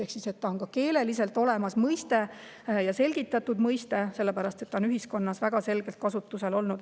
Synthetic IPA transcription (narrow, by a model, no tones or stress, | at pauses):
ehksise̞t̪ːɑonkɑke̞ːle̞lise̞lt̪ˑo̞le̞mɑsmɤjst̪e̞ | jɑse̞lɡit̪ːˑɑt̪ːud̪mɤjst̪e̞se̞lːe̞pæɾɑst̪e̞t̪ːɑonyɦisko̞nːɑsvæɡ̥ɑse̞lɡ̥e̞lt̪̚kɑsut̪ːˑuse̞lo̞lnud̪